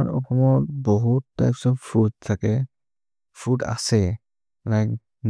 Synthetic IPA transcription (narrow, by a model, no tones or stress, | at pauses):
aɹɔ̰kʰɔmɔtbɔɦutːajpsɔfpʰud̚tʰakɛ | pʰuda̰sɛ | lajk̚ | n